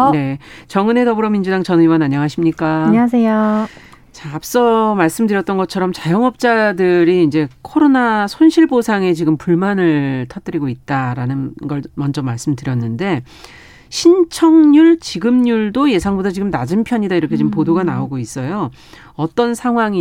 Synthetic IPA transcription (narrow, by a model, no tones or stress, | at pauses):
ne̞t͡ɕʌŋɯne̞dʌbɯɾʌmind͡ʑudaŋt͡ɕʌnɯibʌnaɲːʌŋaɕʰimɲik͈aɲasʰejo | t͡ɕaːp̚s͈ʌmaɭs͈ɯmdɯɾjʌt̚t͈ʌnɡʌt͡ɕʰʌɾʌmt͡ɕajʌŋʌp̚t͡ɕ͈adɯɾiːnd͡ʑe̞kʰoɾonasʰonɕʰiɭbosʰaŋe̞t͡ɕiɡɯmpuɭmanɯɭtʰat͈ɯɾiɡoit̚t͈aɾanɯnɡʌɭmʌnd͡ʑʌmaɭs͈ɯmdɯɾjʌnːɯnde̞ | ɕʰint͡ɕʰʌŋɲuɭt͡ɕiɡɯmɲuɭdoje̞sʰaŋbudat͡ɕiɡɯmnad͡ʑɯmpʰjʌɲidaiɾʌkʰe̞t͡ɕiɯmpodoɡanaoɡois͈ʌjo | ʌt͈ʌnsʰaŋɦwaŋi